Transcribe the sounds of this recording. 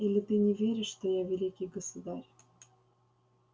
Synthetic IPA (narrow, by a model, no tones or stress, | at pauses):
ilʲɪt̪ɨnʲɪvʲeɾʲɪʂːt̪ojavʲɪlʲikʲɪjɡəsud̪aɾʲ